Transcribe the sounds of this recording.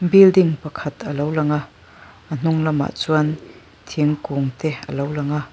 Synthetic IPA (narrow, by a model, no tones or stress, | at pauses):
bildiŋpɐkʰɐt̪əlowlaŋa | ʔən̥ʊŋlɐma̰ʔt͡suɐn | t̪ʰiŋkuŋt̪ɛə̰lowlaŋa